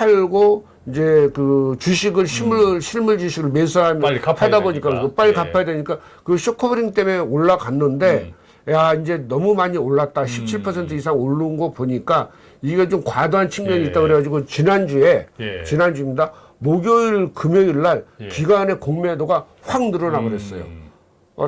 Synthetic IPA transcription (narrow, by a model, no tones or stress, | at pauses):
sʰaɭɡo | ind͡ʑe̞kɯt͡ɕuɕʰiɡɯɭɕʰimuɕʰiɭmuɭd͡ʑuɕʰiɡɯɭmesʰuɦamjʌhadaboɲik͈aɡop͈aɭːikapʰajadweɲik͈a | kɯɕʰokʰobʰɾiŋt͈e̞meoɭːakanːɯnde̞ | jaind͡ʑe̞nʌmumaɲioɭːat̚t͈aɕʰip̚t͡ɕʰiɭpʰʌsʰe̞ntʰɯisʰaŋoɭːunɡopoɲik͈a | iɡe̞t͡ɕomkwadoɦant͡ɕʰiŋɲjʌɲiːt͈aɡɯɾɦeɡad͡ʑiɡot͡ɕinand͡ʑue̞t͡ɕinand͡ʑuimɲida | moɡjoiɭkɯmjʌŋiɭːaɭkiɡane̞koŋme̞doɡa | ɸwaŋnɯɾʌnaɡoɾe̞s͈ʌ̰jo̰